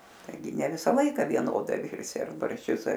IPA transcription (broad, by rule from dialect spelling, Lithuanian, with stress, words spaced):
tɐɪˈɡʲɪ nʲɛ ˈʋʲɪsɐ ˈlˠɐɪkɐ ʋʲiɛˈnoːdɐɪ ˈʋʲɪrʲsʲɪ ɐr bɐrʲʃʲˈt͡ʃʲʊs ɐr